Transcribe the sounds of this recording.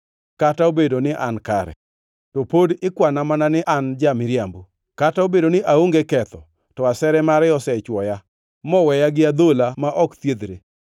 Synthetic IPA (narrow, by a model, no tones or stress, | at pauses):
kataobedonɪʔa̰nkaɾɛ̰ | topodɪkwanamananɪʔand͡ʒamɪɾjambu | kataobedonɪʔaoŋɡekɛt̪ɔ | tɔasɛɾɛmaɾɛɔsɛt͡ʃwɔja | mɔwɛjaɡɪad̪olamaʔɔkt̪jed̪ɾe